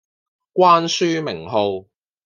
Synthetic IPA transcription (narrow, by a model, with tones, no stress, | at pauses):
kʷaː˥nsyː˥mɪ˨˩ŋɦo˨˧w